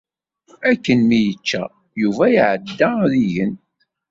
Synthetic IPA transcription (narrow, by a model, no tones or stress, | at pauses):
ækːənmijət͡ʃːæ̰ | juvæjʕəd̪ːaðijən